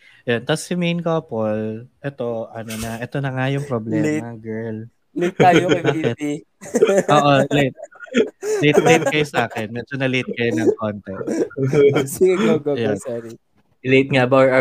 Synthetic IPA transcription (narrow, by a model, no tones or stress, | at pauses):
jont̪ɐsːɪmejnkoːpolʔɛt̪o̞ʔɐnonɐʔɛt̪o̞nɐŋajʊŋpɾoblɛmɐɡɛɹl | let̪̚ajosɐkɪ | ʔoːʔolet̪̚ | let̪lejt̪̚kɐjosɐʔaːkɛnmɛd͡ʒonɐlet̪̚kɐjonɐŋkont̪ɛ | iɡɐɡoɡojosɛɾi | let̪̚ŋabaɹɐ